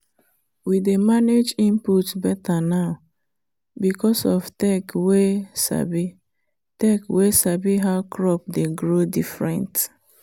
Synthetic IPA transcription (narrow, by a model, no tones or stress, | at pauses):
widemaned͡ʒĩmputbɛtanaʊ | bikɔsɔftɛkwesa̰bi | tɛkwesabiɦaʊkɹɔp̚deɡɹodifɹɛ̰̃nt